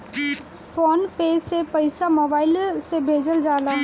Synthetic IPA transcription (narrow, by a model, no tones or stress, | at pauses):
fʰoːnpeːsepəɪsamoːbaːɪlsebʱeːd͡ʒəld͡ʒaːlaː